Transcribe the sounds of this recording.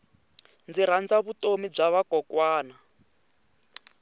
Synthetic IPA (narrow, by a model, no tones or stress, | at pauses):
nd͡ziɾand͡zaβutʼomib͡ʐaβakɔkwaːna